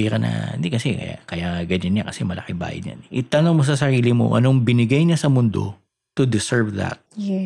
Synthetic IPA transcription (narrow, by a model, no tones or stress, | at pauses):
iɾɐnɐ̰hɪ̰nd̪ikɐsɛkɐ̰ja̰kɐjaɡad̪̚ɲɐnɲakɐsɛmɐlɐ̰kɪba̰ːjɐ̰d̪̚ɲa̰nʔɪt̪ɐnomos̬ɐsɐɾiːlɪmo̞̰ʔɐ̰noŋbɪnɪɡajɲasɐmʊnd̪o̞̰ | t̪ʊd̪ɪsɛɹvðɐ̰t̪̚jɛ